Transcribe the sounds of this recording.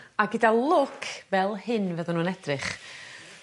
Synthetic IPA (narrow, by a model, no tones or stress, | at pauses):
aɡɪdalˠʊkʰvɛlˠhɪnvəðɔnuːnɛd̥rɪχ